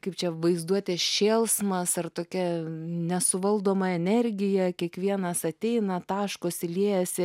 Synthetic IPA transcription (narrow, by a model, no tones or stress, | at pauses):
kɐɪp̚t͡ʃʲɛʋɐɪzd̪uɔt̪ʲɛʃʲeːlˠsmɐsɐrt̪oːkʲɛnʲɛsʊʋɐlˠd̪oːmɐɛnʲɛɾʲɡʲɪjɛkʲiɛkʋʲiɛnɐsɐt̪ʲɛɪnɐt̪ɑːʃkoːsɪlʲeːjɛsʲɪ